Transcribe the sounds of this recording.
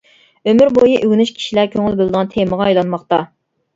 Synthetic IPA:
ømyɾbojiʔyɡʲnyʃkʲʰi̥ʃilæɾkʲʰøŋɪlbɪlˠd̪əʁɑnt̪ʰeməʁɑijlˠɑnmɑχt̪ɑ

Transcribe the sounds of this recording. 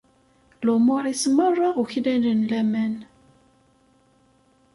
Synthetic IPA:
lʊmoɾˤismərˤːɑʁuçlælənlæmæn

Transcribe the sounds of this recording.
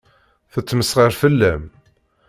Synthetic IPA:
θət͡sːməsʁəɾfəlːæm

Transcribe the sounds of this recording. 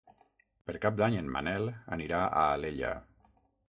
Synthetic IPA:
pəɾkap̚d̪aɲənma̰nɛlˠə̰niɾaʔaːleʎə̰

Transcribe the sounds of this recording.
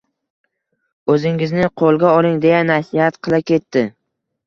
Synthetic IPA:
ɵzɪŋɪznɪqʰolˠɡʲaɒlɪŋd̪e̞janasɪhat̪qʰɨlˠakʲʰe̞t̪ːɪ

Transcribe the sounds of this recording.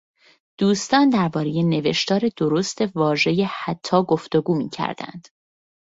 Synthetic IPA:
d̪̥uːst̪ɒːnd̪æɾbɒːɾe̞jene̞ve̞ʃt̪ɒːɾe̞d̪oɾost̪e̞vɒːʒe̞jehæt̪ʰːɒːɡoft̪o̞ɡuːmḭːcʰæ̰ɾd̪̥æ̰nd̪̥

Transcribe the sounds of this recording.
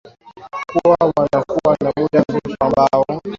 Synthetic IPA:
kuwawanakuwanamumɗambutambaɔ

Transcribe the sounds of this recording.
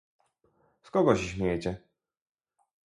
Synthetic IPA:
skɔɡɔɕɕmʲjɛt͡ɕɛ

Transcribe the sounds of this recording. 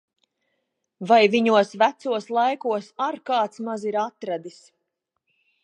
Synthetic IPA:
vajviɲuɔsvæt̪suɔslˠajkuɔsaɾkaːt̪smaziɾat̪ɾad̪is

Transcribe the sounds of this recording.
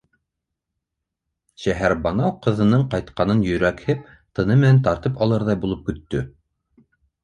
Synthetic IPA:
ʃæɦæɾbɑnɑwqɤ̆ðɤ̆nɤɴqɑjt̪qɑnɤnjɵ̆ɾækhɘp̚ | t̪ɤ̆nɤmɘ̆nænt̪ɑɾt̪ɤpɑlˠɤɾðɑjbulˠɤp̚kɵ̆t̪ːɵ

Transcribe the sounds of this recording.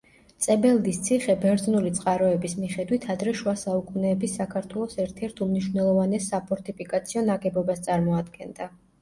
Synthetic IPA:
t̪sʼɛbɛlˠd̪ist̪sʰiχɛbɛɾd̪znulit̪sʼqʼaɾɔɛbismiχɛd̪wit̪ʰad̪ɾɛʃuasaukʼunɛːbisːakʰaɾt̪ʰwɛlˠɔsɛɾt̪ʰɛɾt̪ʰumniʃwnɛlˠɔvanɛsapʰɔɾt̪ʰipʰikʼat̪sʰiɔnaɡɛbɔbast̪sʼaɾmɔad̪ɡɛnd̪a

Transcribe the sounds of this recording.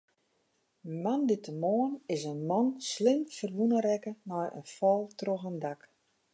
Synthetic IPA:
əmanditəmoənɪsənmɔnslɪmfərʋunəɾɛkənɔjə̰nfɔlˠtroxəndak

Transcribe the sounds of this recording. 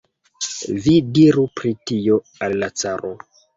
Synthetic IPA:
vidiɾupɾitio̞ | alːat͡saɾʔo

